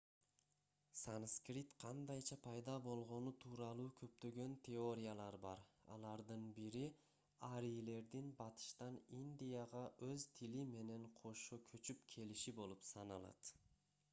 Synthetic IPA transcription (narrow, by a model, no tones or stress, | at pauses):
sanskrʲit̪qʰɑnd̪ɑjt͡ʃʰɑpʰɑjd̪ɑbo̞lˠʁo̞nut̪ʰuːɾɑlˠuːkʰø̞p̚t̪ø̞ɡø̞nt̪ʰeo̞ɾʲijalˠɑɾbɑɾɑ̰lˠɑɾd̪ɯnbiɾi | ɑɾijle̞ɾd̪inbɑt̪ʰɯ̥ʃt̪ɑnind̪ʲijɑʁɑʔøzt̪ʰilime̞ne̞ɴqʰo̞ʃokʰøt͡ʃypkʲʰe̞liʃibo̞lˠupsɑnɑlˠɑ̰t̪